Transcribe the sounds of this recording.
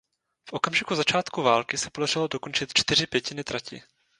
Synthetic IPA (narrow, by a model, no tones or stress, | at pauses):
fʔo̞kamʒɪkuzat͡ʃaːt̪kuvaːlkɪsɛpo̞dar̝ɪlo̞do̞ko̞nt͡ʃɪt̪t͡ʃt̪ɪr̝ɪpjɛcɪnɪt̪ɾacɪ̰